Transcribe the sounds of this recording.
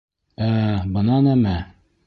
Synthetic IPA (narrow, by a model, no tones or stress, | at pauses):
æbɤ̆nɑnæmæ